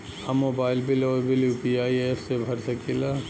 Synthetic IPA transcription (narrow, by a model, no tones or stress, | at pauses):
amːoːbaːɪlbilɔːɾbilupiaːiefsebʱɐɾsɐkʰila